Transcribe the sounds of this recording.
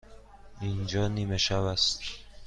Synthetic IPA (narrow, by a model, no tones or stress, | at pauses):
ind͡ʒɒːniːmeʃæβæst̪